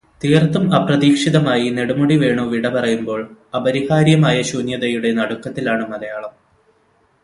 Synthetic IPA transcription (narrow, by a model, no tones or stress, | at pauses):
t̪iːrt̪ːumɐprɐðiːkʂiðɐmaːjine̞ɽumuɽiʋe̞ːɳuʋiɽɐpɐrɐjumbo̞ːɭɐbɐɾihaːɾjɐmaːjɐɕuːnjɐðɐjuɽe̞nɐɽukːɐt̪ːilaːɳɨmɐðɐjaːɭɐm